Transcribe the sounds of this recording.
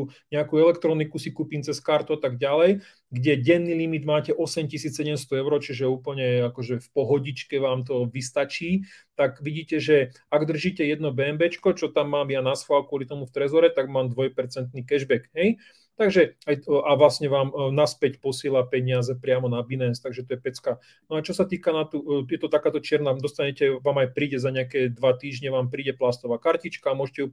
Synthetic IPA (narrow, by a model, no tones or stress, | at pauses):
ɲɛakuɛlɛkt̪ɾɔnikusikupint͡sɛskaɾt̪uat̪aɡɟalɛj | ɡɟɛɟɛnːilimid̪maːcɛʔɔsɛmcisiːt͡ssɛɟɛmst̪ɔɛʊɾɔt͡ʃiʒɛuːpl̩ɲɛakɔʒɛfpɔɦɔɟit͡ʃkɛʋaːmt̪ɔʋist̪at͡ʃiːt̪aɡʋiɟiːcɛʒɛ | aɡd̪r̩ʒiːcɛjɛd̪nɔbɛːmbɛt͡ʃkɔt͡ʃɔt̪amːaːmjanasfalkʊɔlit̪ɔmuft̪ɾɛzɔɾɛt̪aɡmaːmd̪ʋɔjpɛɾt͡sɛnt̪nikɛʒbɛkɦɛj | t̪aɡʒɛajaʋlasɲɛʋaːmnaspɛcpɔsɪɛlapɛɲɪazɛpɾɪamɔnabinɛst̪aɡʒɛt̪ɔjɛpɛt͡skaː | nɔat͡ʃɔsat̪iːkanat̪ujɛt̪ɔt̪akaːt̪ɔt͡ʃɪɛɾnad̪ɔst̪aɲɛcɛʋaːmajpɾiːɟɛzaɲɛakɛːd̪ʋat̪iːʒɲɛʋaːmpɾiːɟɛplast̪ɔʋaːkaɾcit͡ʃkaːmʊɔʒɛcɛju